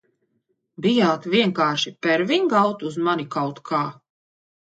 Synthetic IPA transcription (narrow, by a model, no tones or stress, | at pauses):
bijaːt̪ʋiɛŋkaːɾʃipɛɾviŋɡawt̪uzmanikawt̪kʰaː